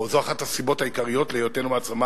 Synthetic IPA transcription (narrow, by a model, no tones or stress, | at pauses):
ozo̞aχathasibo̞thaikaʁijo̞tlejotenumat͡sama